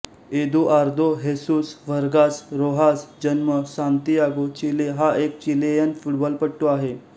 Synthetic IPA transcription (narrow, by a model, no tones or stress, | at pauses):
ed̪uʔaɾd̪ʱoɦesuːsʋəɾɡasɾoɦasd͡ʑənməsãnt̪ijaɡot͡ɕileɦaʔek̚t͡ɕilejənfuʈbɔlpəɽʈːoaɦe